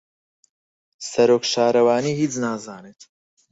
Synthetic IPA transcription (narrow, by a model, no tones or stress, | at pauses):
sɐɾoːkʃaːɾɐwaːniːhiːt͡snaːzaːneːt̪